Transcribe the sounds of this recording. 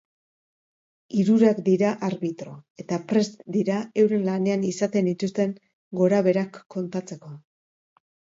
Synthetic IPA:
iɾuɾakd̪iɾaʔaɾβit̪ɾo̞e̞t̪apɾe̞st̪d̪iɾae̞wɾenlane̞anisat̪e̞nd̪it̪ust̪e̞ŋ | ɡo̞ɾaβe̞ɾakːo̞nt̪at͡se̞ko̞

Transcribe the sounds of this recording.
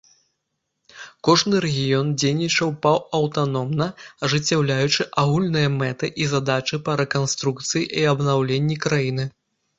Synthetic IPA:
kɔʐnɨɾɛɣʲijɔnd͡zʲejnʲit͡ʂɐwpɐwɐwt̪anɔmnɐɐʐɨt͡sʲːawlʲajut͡ʂɨʔaɣulʲnɨjɐmɛt̪ɨʔizad̪at͡ʂɨpɐɾɛkanst̪ɾukt̪sɨjiʔiɐbnawlʲenʲːikɾajinɨ

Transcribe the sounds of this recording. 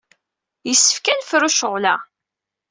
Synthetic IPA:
jəsːə̥fkænfɾuʃəʁlæ̰

